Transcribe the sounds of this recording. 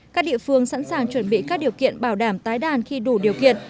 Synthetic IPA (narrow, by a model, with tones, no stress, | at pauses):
kaː˦˥k̚ɗḭ˧əfɨ˧əŋsa̰˧˥nsaː˨˩ŋt͡ɕwə˧˩nɓḭ˧˨kaː˦˥k̚ɗi˨˩əwkḭ˧˨ənɓaː˧˩wɗaː˧˩mt̪aː˨˦jɗaː˨˩nxi˧ɗu˧˩ɗi˨˩əwkḭ˧˨ən